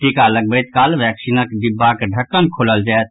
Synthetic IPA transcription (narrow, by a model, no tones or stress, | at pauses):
ʈikaləɡ̚bəjt̪kaːlʋɛːksinəkd̪ɪbːakeɖʱəkːənkʰoːləld͡ʒaːt̪̚